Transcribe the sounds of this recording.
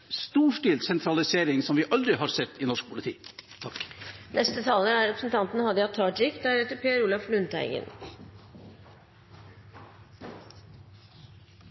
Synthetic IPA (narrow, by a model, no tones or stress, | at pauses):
st̪uːʂʈiːlsɛnt̪ʰɾɑlɪseːɾɪŋsɔmʋɪʔɑld̪ɾɪhɑɾsɛt̪ːɪnɔʂk̚pʰʊlɪt̪ʰḭːt̪ʰɑknʔɛst̪ət̪ʰɑːlnəɖæɾɛpɾəsn̩t̪ʰɑnt̪ənəhɑd̪əɑt̪ʰːɑːɖɾɪkd̪æɾɛt̪əpʰeːɾuːlɑflʉnt̪æ̰ɪɡə̰n